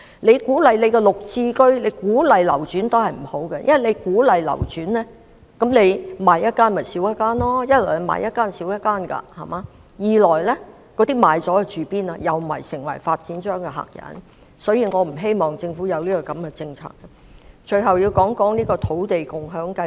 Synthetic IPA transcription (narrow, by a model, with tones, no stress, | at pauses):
le˨˧jkuː˨˥lɐ˨jle˨˧jkɛ˧lʊ˨k̚t͡siː˧kɵ˥ɥle˨˧jkuː˨˥lɐ˨jlɐ˨˩wt͡ʃyː˨˥nt̪o˥hɐ˨jm̩˨˩ho˨˥wkɛ˧jɐ̰˥nwɐ˨˩le˨˧jkuː˨˥lɐ˨jlɐ̰˨˩wt͡ʃyː˨˥nlɛː˥ | kɐ˨˥mle˨˧jmaː˨˧jːɐ˥t̚kaː˥nmɐ˨˩siː˨˥wjɐ˥t̚kaː˥nlɔː˥jɐ˥t̚lɔ˨˩lɐ˨˧ma̰ː˨˧jɐ˥t̚kːaː˥nsiː˨˥wjɐ˥t̚kːaː˥nkɐ̰˧hɐ˨˩mʔaː˨˧˥ | jiː˨˧lɔː˨˩jlɛː˥ | kɔː˨˧˥t̪iː˥maː˨˧jt͡sɔː˨˥ɛ˧t͡ʃyː˨˩piː˥naː˧jɐ˨wɐ˨˩jsɪ˨˩ŋwɐ̰˨˩jfaː˧t̚t͡siː˨˥nt͡ʃœː˥ŋkɛ˧ɦa̰ː˨˩k̚jɐ̰˨˥n | sɔː˨˥jiː˧ŋɔː˨˧m̩˨˩ɦe˥jmɔː˨˩ŋt͡sɪ˧ŋfuː˨˥jɐ˨˧wliː˥kɔː˧kɐ˨˥mkɛ˧t͡sɪ˧ŋt͡sʰa̰ː˧˩kkɐ˧ | t͡ʃʰɵ˨˩ɥɦɐ˨wjiː˧wkɔː˨˥ŋkɔː˨˥ŋniː˥kɔː˧t̪ʰo˨˥wt̪e˨jkʊ˨ŋɦœː˨˥ŋkɐ˧